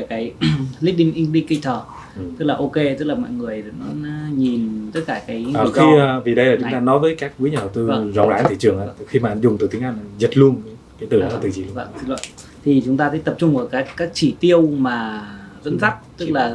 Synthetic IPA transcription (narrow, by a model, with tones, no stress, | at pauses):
kaː˨˦jli˦˥ɗï˧˨ŋ̟ʔi˧ŋɗi˧kə˧jt̪ʰəː˨˩ | t̪ɨ˦˥k̚laː˨˩ʔo˧ke˧t̪ɨ˦˥k̚laː˨˩mɔ̰˧˨jŋɨ˨˩əjɗə˨˩nɔ˨˦na˨˦ɲi˨˩nt̪ə˦˥t̚kaː˧˩kaː˨˦jəː˨˩xi˧vi˨˩ɗə˧jla˨˩t͡ɕʊ˨˧˦t̪aː˧nɔ˨˦jvəː˨˦jkaː˦˥k̚ku˨˦ɲaː˨˩hə˨˩t̪ɨ˧z̰ŋ͡mlaː˨˦nt̪ʰi˧˩t͡ɕɨ˨˩əŋʔaː˨˩xi˧maː˨ʔa˧nzʊ˨˩ŋ͡mt̪ɨ˨˩i˨˦ʔa˧˩n˨˩zə˨˩t̚lu˧ənkːkaː˨˦jt̪ɨ˨˩˨ɨ˨˩t͡ɕi˧˩˧a̰˧˨si˧˩lə̰˧˨n | t̪ʰi˨˩t͡ɕʊ˨˦ŋ͡mt̪aː˧sə˨˦t̪ə˨˩p̚t͡ɕʊ˧ŋ͡mʔəː˧˩kaː˨˦˥kːaː˨˦˥k̚t͡ɕi˧˩t̪i˧əwmaː˨˩zə̰˧˥nza˦˥k̚t̪ɨ˦˥k̚laː˨˩